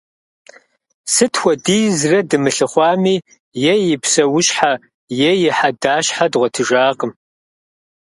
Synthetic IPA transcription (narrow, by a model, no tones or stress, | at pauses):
sɨtʰxʷɐdiːzrɐdɨmɨɬɨχʷɑːmiː | jɛjɪpʰsɐwʊɕħa | jejɪħadaːɕħadʁʷɐtʰɨʒaːqəm